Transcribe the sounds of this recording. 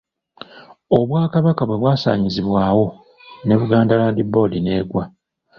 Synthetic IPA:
o̞βwaːkaβakaβwe̞βwaːsa̰ːɲiziβwaːwo̞ | ne̞βuɡaːndalaːndibo̞ːline̞ːɡwa

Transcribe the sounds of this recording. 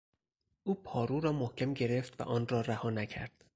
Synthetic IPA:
ʔuːpʰɒːɾuːɾɒːmohcʰemɟe̞ɾe̞ft̪væ̰ʔɒːnrɒːɾæhɒːnæcʰæ̰ɾd̪̥

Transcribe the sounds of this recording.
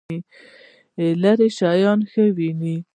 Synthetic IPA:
i | elaɾeʃɑjɑnxəwini

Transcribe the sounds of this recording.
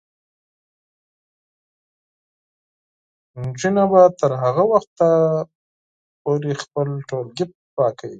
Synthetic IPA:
nd͡ʒunabat̪əɾɦaɣawaxt̪a | poɾexpəlʈolɡɪp̚pɑkawi

